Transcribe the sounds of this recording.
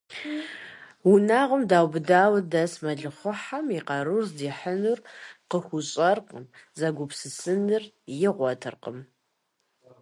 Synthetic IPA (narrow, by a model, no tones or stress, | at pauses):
wunaːʁəmdaːwbɨdaːwdɐsmɐɮɨχʷʊħamiqɐɾurzdiːħənurqəxʷʊɕʼɐrqəmzɐɡʷʊpsɨsɨnɨr | jɪʁʷɔtʰɨ̰rqə̰m